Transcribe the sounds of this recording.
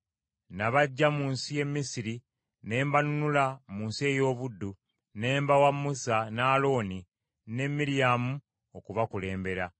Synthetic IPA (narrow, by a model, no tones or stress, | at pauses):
naβaɟːamuːnsije̞mːisiɾi | ne̞ːmbanunulamuːnsie̞ːjo̞ːβudːu | ne̞ːmbawamːusanaːlo̞ːni | ne̞mːiɾijamu | okuβakule̞ːmbe̞ɾa